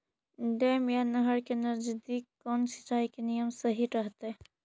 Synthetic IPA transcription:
ɖeːmjanɐɦəɾkenɐɾd͡ʒd̪iːkkːɔːnsɪ̥t͡ʃaːikenijəmsəɦiɾəɦt̪e

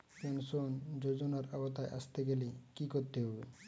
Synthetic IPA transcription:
kensond͡ʑod͡ʑonaɾabat̪aeʔa̰st̪eɡelekikoɾt̪eɦɔbḛ

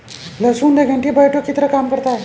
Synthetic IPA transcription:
ləsuːnd̪əɡʱãɳʈibajʈʰokit̪ɾəkamkəɾt̪a

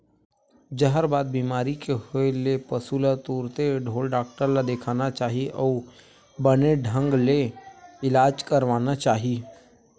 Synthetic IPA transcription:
d͡ʒəɦəɾbaːd̪̚bimaːɾikehoelepəsulat̪uːɾt̪eɖʱoːlɖaːk̚ʈəɾlad̪eːkʰaːnat͡ʃaːɦiʔɔː | bəneɖʱə̃ŋɡleɪlaːd͡ʒkəɾʋaːnat͡ʃaːɦi

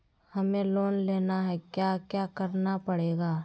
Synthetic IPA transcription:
hɐmẽloːnleːnaɦɛkjaːkjaːkəɾnapəɽeːɡaː

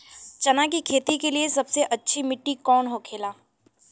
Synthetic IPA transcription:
t͡ʃɐnakikʰeːt̪ikeliesɐbseʔɐtːʃʰimɪʈːikɔːnɦokʰeːlaː

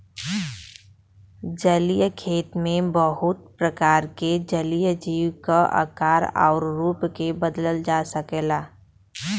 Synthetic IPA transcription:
d͡ʒəlijəkʰeːt̪mẽbəɦʊt̪̚pɾəkaːɾked͡ʒəlijəd͡ʒiːwkaʔə̰kaːɾa̰ːɾɾuːpkebəd̪ləld͡ʒaːsəkelaː

